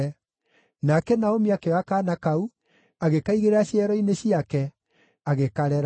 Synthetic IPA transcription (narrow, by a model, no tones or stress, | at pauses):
nakɛnaomiakeɔakaːnakau | aɣekaiɣeɾaɕiɛɾɔineɕiakɛ | aɣekaɾɛɾ